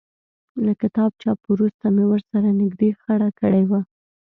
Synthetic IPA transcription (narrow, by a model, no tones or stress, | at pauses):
lakɪt̪ɑb̚t͡ʃɑpwɾust̪amewəɾsaɾanɪɡd̪exaɽakəɽewa